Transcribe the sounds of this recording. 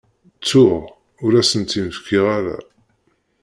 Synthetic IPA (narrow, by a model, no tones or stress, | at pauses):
t͡sːʊʁ | ʊɾæsənt̪iməfkʰiʁaɾa̰